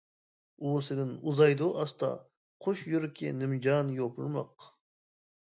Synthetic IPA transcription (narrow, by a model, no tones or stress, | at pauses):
usɪd̪ɪnuzɑjd̪uʔɑst̪ɑ̰ | qʰʊʃjyɾkʲʰḛnɪmd͡ʒɑnjopʰʊɾmɑ̰q